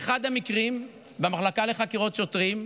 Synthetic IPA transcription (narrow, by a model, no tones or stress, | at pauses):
eχad̪hamikʁim | bemaχlakale̞χakiʁo̞tʃot̪ʁim